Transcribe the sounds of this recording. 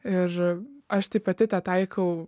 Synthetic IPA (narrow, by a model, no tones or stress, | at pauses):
ɪrɐʃt̪ɐɪpɐt̪ʲɪt̪ɑt̪ɐɪkɐʊ